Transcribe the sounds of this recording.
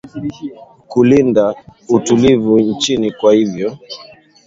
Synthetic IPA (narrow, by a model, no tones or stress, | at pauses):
kulindautulivun̩t͡ʃinikwahivjɔ